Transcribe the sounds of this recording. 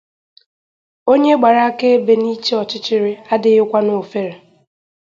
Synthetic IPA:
o˦ɲe˦ɡ͡ba˨ɾa˦a˦ke˦e˦be˨ni˦t͡ʃe˦ɔ˨t͡ʃɪ˦t͡ʃɪ˦ɾɪ˦a˦dɪ˨˦ɣɪ˦kʷa˦nʊ˨fe˦ɾe˨

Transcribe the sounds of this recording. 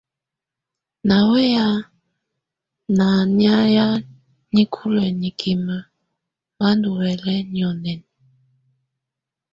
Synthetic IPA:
na˨wɛ˦ja˦ | na˨nja˦ja˦ | ɲi˦kʰu˦lwɛ˨ni˨kʰi˨mə˨ | βa˦ndu˨wɛ˨lɛ˦ɲi˨ɔ˨nɛ˨n˨

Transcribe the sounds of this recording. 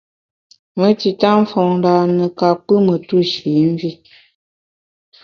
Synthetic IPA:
mə˦ti˨ta˦ɱ̩˦fɔ˨ŋ˨da˨nə˨ka˨k͡pɨ˦mə˨tu˦ʃi˨˦m˦vi˦

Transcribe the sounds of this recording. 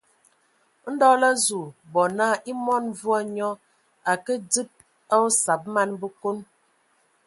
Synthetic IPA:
n̩˦dɔ˦la˦zu˨bɔ˨naː˦˨ʔi˦mɔ˦˨n˦vu˦a˦ɲɔ˦ | a˨kə˦d͡zi˦p̚ | a˦o˦sa˨p̚ma˦nbə˦ko˦n

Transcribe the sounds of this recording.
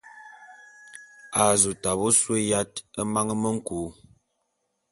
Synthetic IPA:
a˨zu˨ta˨bo˦swe˦ja˦tə˦ma˦ŋə˦mə˦ŋ̩˦kuː˨˦

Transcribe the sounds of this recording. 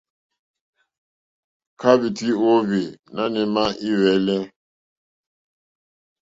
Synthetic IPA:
kʰa˦βi˨ti˦o˦vi˨na˦nɛ˨ma˦ʔi˦wɛ˨˦lɛ˦

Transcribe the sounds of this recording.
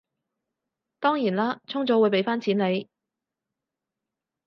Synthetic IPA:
t̪ɔː˥ŋjiː˨˩nlaː˥t͡sʰʊ˥ŋt͡sɔː˨˥wuː˨˧jpe˨˧˥jfaː˥nt͡sʰiː˨˥nle˨˧j

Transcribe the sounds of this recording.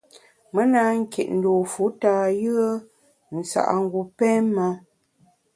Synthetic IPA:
mə˦na˦ŋ̩˦kḛ˨ʔn̩˨do˨fu˨˦ta˨jə˦ə˦ | n̩˨sa̰˨ʔa̰˨ŋ̩˦ɡu˨pɛ˦ma˦

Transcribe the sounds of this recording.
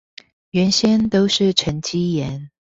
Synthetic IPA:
ɥɛ˧˦nɕjɛ˥nt̪o˥ʊʂɻ̩˥˨ʈ͡ʂʰə˧˥ŋt͡ɕi˦jɛ˧˦n

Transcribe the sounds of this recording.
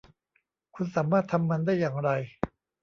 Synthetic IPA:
kʰu˧nsaː˩˦maː˥˩t̪ʰa˧mːa˧ndaː˥˩jːaː˨˩ŋɾa˧j

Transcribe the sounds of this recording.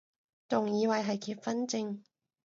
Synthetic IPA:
t͡sʊ˨ŋjiː˨˧wɐ˨jɦɐ˨jkʰiː˧˥p̚fɐ˥nt͡sɪ˧ŋ

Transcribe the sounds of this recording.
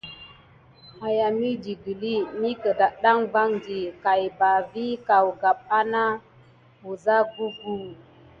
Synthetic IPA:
a˨ja˨mi˦di˨ɡi˨li˦mi˦kə˨da˨ɗa˦ŋva˦ŋdi˨ka˨jba˨vi˦ka˨wɡa˨p̚a˦na˦ | u˨za˦ɡu˦ɡu˦

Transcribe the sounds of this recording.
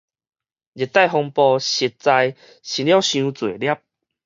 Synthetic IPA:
d͡ʑi˨˩t̪ːa˥˧˨jɦɔ˧ŋpɔ˧ɕi˧t̚t͡sa˧j | ɕi˧nlja˥˦ɕjũ˧t͡swe˨˩lja˥˦p̚

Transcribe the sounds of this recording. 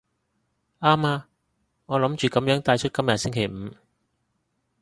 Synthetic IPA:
ʔaː˥maː˧ | ŋɔː˨˧lɐ˨˥mt͡ʃyː˨kɐ˨˥mjœː˨˥ŋt̪aː˧jt͡ʃʰɵ˥t̚kɐ˥mjɐ˨t̚sɪ˥ŋkʰe˨˩jm̩˨˧

